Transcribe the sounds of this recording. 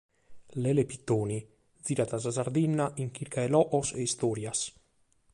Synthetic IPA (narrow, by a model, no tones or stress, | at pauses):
lɛlepit̪ːoːni | d̪ziːɾat̪azazaɾd̪inːaʔiŋk̟iɾkaɛlɔʔɔsɛist̪ɔːɾjas